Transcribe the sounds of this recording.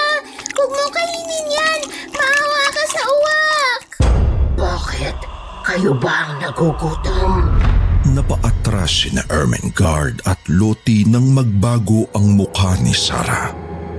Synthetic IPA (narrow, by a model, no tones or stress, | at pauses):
wɐɡ̚mokɐhinɪnjanmɐʔawakɐsɐʔʊwak̚baːkɛt̪̚ | kɐjobɐʔɐŋnɐɡokuːt̪o | nɐpɐʔɐt̪ɾasɪnɐ̰ʔɛɹmɐ̰nɡaɹd̪ɐt̪loːt̪inɐŋmɐɡ̚baːɡo̞ʔɐŋmʊkanḭsa̰ːɾa̰